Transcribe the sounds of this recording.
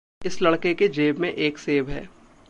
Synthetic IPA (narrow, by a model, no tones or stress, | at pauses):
ɪslɐɽkeked͡ʒeːbmẽʔeːkseːbɦɛ̰ː